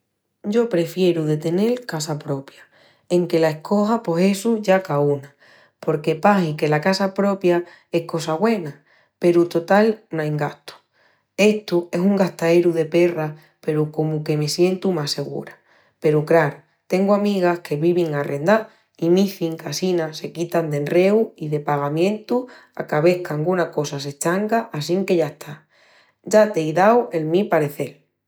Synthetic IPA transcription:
ɟ͡ʝo̞pɾe̞fje̞ɾuðe̞t̪e̞ne̞lkasapɾo̞pja | e̞ŋke̞lae̞hko̞hapo̞se̞suʝakauna | po̞ɾke̞pasike̞lakasapɾo̞pja | e̞hko̞saβwe̞na | pe̞ɾut̪o̞t̪alnajŋɡaht̪o̥ | e̞ht̪ue̞suŋɡaht̪aeɾuðe̞pe̞ra | pe̞ɾuko̞muke̞me̞sje̞nt̪umase̞ɣ̞ṵɾa | pe̞ɾukɾaɾ | t̪e̞ŋɡoamiɣ̞ahkʰe̞βiβ̞iŋare̞nd̪a | imiθiŋkasinase̞kit̪and̪e̞nre̞uiðe̞paɣ̞amjẽ̞nt̪u | a̰kaβe̞hkaŋɡunako̞sas̬e̞t͡ʃaŋɡaʔas̬iŋke̞ʝaeht̪ʰa | ɟ͡ʝat̪ejðawe̞lmipaɾe̞θe̞l

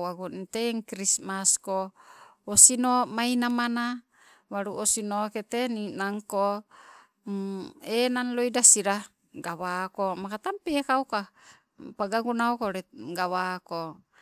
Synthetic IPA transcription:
waɡunit̪eŋkɾismasko | osinomainamana | waɾuʔosinoket̪eninaŋko | enanloidasiɾa | ɡawakomakat̪ampeːkauka | paɡaɡunaokoɾɛɡawako

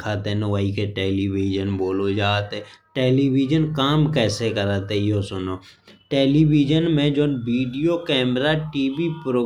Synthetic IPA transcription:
kʰaːt̪enəʋaːikeʈeːliːʋiːd͡ʒənboːlod͡ʒaːt̪ɦeʈeːliːʋiːd͡ʒənkaːmkɛːsekəɾaːt̪ejosʊnoːʈeːliʋiːd͡ʒənmẽd͡ʒoːnʋiːɖijokɛːmɾaʈiːbipɾoː

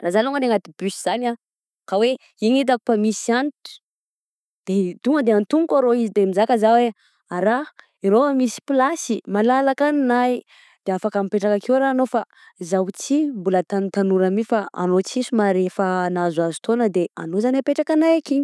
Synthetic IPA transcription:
razaluŋəneŋat̪ib̥ysiz̥ana | kawe | iɲit̪̬aku̥pamisiant̪u̥ | d̪̥ed̪uŋəd̪eant̪uŋkaɾoizid̪emizakəzawe | aɾa | iɾoamisi̥pilasimalalakannaj | d̪̥eafakamipeʈ͡ʂakakiwɾaːnofa | zawt͡simbulət̪ant̪anuɾamifaa̰not͡sisumaɾefənazazu̥t̪onəd̪ea̰nozaniapeʈ͡ʂakanajakiɲ

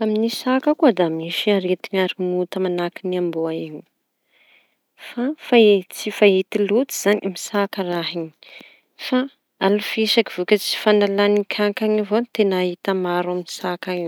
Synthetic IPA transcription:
aminisakakuad̪amiʃiaɾet̪iɲaɾimut̪əmanakiniambuaiɲ | fafait͡sifaɦit̪ilut̪i̥z̥aɲimisakəraɦiɲi̥ | fa | alufiʃakiv̥ukʲat͡si̥fanalanikʲʰaŋkaŋivonit̪enaɦit̪amaɾaminisakaŋi

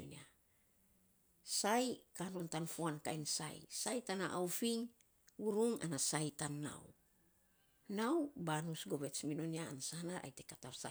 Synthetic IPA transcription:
o̰nia | sajkano̞ntanfuankajnsa̰j̰sajtanaʔawfiŋ | uɾuŋa̰nasajtanːa̰w | nawbanusɡo̞βe̞t͡ʃmino̞niaanasanaɾʔa̰jte̞katasa

